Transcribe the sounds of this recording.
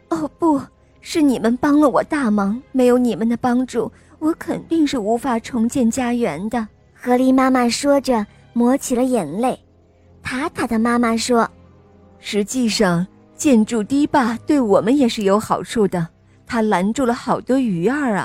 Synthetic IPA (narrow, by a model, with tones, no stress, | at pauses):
o˥˩pu˥˩ | ʂɻ̩˥˩ni˨˩mə˦npɑ˥ŋlə˨wɔ˨˩t̪a˥˩mɑ˧˥ŋme˧˥ɪjo˧˥ʊni˨˩mə˦nd̪ə˨pɑ˥ŋʈ͡ʂu˥˩ | wɔ˧˥kʰə˨˩nt̪i˥˧ŋʂɻ̩˥˩u˧˥fa˨˩ʈ͡ʂʰʊ˧˥ŋt͡ɕjɛ˥˩nt͡ɕja˥ɥɛ˧˥nd̪ə˧ | xɤ˧˥li˧˥ma˥ma˥˨ʂwɔ˥ʈ͡ʂə˨ | mwɔ˧˥t͡ɕʰi˨˩lə˦jɛ˨˩nle˥˩ɪ | t̪ʰa˥t̪ʰa˥d̪ə˨ma˥ma˨ʂwɔ˥ | ʂɻ̩˧˥t͡ɕi˥˧ʂɑ˥˩ŋ | t͡ɕjɛ˥˧nʈ͡ʂu˥˩t̪i˥pa˥˧t̪we˥˩ɪwɔ˨˩mə˦njɛ˨˩ʂɻ̩˥˩jo˧˥ʊxɑ˨˩ʊʈ͡ʂʰu˥˩d̪ə˩ | t̪ʰa˥la˧˥nʈ͡ʂu˥˩lə˩xɑ˨˩ʊt̪wɔ˥y˨˧˥ə˞˥˩ɐ̰˩